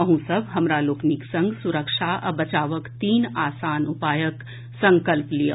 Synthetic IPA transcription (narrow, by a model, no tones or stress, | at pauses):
əɦũsəbʱɦɐmɾaloːkniksə̃ŋɡsuɾəkʃʰaʔɐ̰bɐt͡ʃaːʋəkt̪iːnaːsaːnʊpaːjək | sə̃ŋkəlplijə